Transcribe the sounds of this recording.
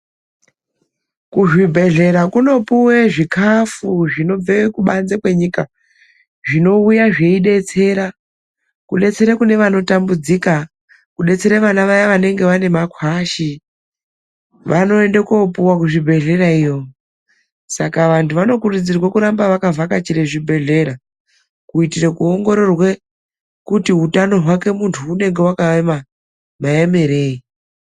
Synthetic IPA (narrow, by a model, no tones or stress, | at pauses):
kuʐibʱe̞ɮe̞ɾakuno̞puwe̞ʐikʰafuʐino̞b͡vewekuɓanzekwe̞ɲika | ʐino̞ujaʐe̞iɗe̞t͡se̞ːɾa | kuɗe̞t͡se̞ɾekune̞ʋano̞tambud͡zika | kuɗe̞t͡se̞ɾeʋanaʋajaʋane̞ŋɡe̞ʋane̞makwaːʃi | ʋano̞endekopuwak̬uʐibʱe̞ɮe̞ɾaijo̞ | sakaʋantʰuʋano̞kurud͡zirwakuɾambaʋakavakat͡ʃiɾe̞ʐibʱe̞ɮe̞ɾa | kuitirekuo̞ŋɡo̞ɾo̞rwe̞ | kutiɦutano̞ɦwake̞muntʰuːne̞ŋɡe̞wakaʋema | majemeɾe̞ːi